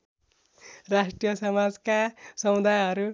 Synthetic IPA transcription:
ɾasʈrijʌsʌmad͡zkasʌmud̪ajɦʌɾu

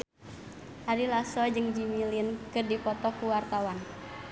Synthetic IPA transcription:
ʔaɾilasɔd͡ʒɨŋd͡ʒimilinkɨrdipɔt̪ɔkuwart̪awan

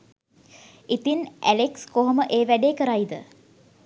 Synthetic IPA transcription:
it̪inæ̰lekskoɦoməʔeːʋæɖeːkəɾajd̪ə̰

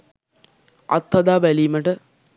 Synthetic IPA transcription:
ɐ̰t̪ːɐd̪aːʋɐlijmɐʈə

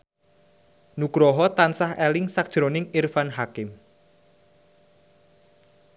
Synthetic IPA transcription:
nuɡɾɔɦɔt̪ansahelɪŋsak̚ʒ̥ɾonɪŋirfanɦakɪm

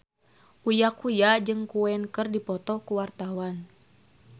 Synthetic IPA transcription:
ʔujakujad͡ʒɨŋkuɛnkɨrdipɔt̪ɔkuwart̪awan

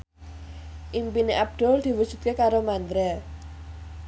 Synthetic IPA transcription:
ʔimpineʔab̚d̪̥ɔ̤ld̪̥i̤wud̥ʒ̥ṳt̪̚kekaɾomand̪ɾa

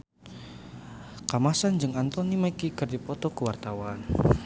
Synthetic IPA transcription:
kamasand͡ʒɨŋant̪ɔnimakikərdipɔt̪ɔkəwart̪awan

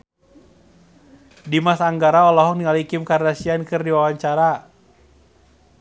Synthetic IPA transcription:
dimasaŋɡaɾaɔlɔɦɔŋniŋalikɪmkaɾdasiankɨrdiwawaɲt͡ʃaɾa

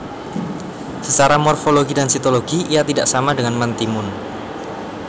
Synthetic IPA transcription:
sət͡ʃaɾamɔrfoloɡidansit̪oloɡiijat̪idaʔsamadəŋanmant̪imʊn

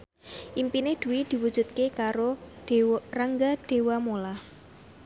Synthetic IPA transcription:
ʔimpined̪̥ṳwid̪̥i̤wud̥ʒ̥ṳt̪̚kekaɾod̥eraŋɡaɖ̥e̤wamolah

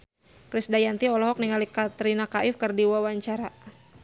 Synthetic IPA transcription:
kɾisdajant̪iɔlɔɦɔk̚niŋalikat̪ɾinakaʔɪfkərdiwawaɲt͡ʃaɾa

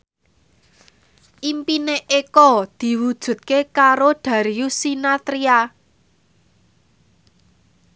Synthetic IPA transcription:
ʔimpineʔekɔd̪̥i̤wud̥ʒ̥ṳt̪̚kekaɾoɖ̪̥ä̤ɾiusinat̪ɾia

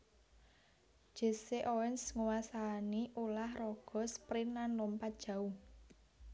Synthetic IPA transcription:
ʒ̥e̤seʔowɛnsŋuwasaniʔulahrɔɡ̥ɔ̤spɾinanlɔmpad̥ʒ̥ä̤u

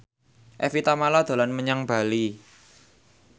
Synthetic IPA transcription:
ʔɛfit̪amalad̪̥a̤lanməɲaŋb̥a̤li

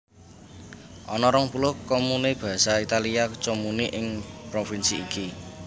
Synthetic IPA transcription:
ʔɔnɔɾɔŋpulʊhkɔmuneb̥a̤sait̪aliat͡ʃomuniʔɪŋpɾofinsiːki

